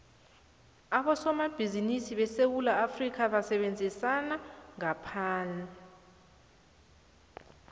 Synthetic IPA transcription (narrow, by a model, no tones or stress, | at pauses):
aɓɔsɔmab̥ʱizinisiɓɛsewulaːfrik̬ʰaɓasɛɓend͡zʱisanaŋapʰaːnaa